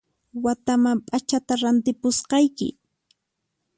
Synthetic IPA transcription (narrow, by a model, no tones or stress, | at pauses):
wat̪amampʼat͡ʃat̪aɾant̪ɪpʊsqɑjkɪ̰